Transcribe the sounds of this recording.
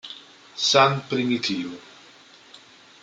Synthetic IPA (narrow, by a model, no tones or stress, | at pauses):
sanpɾimit̪ʰiːvo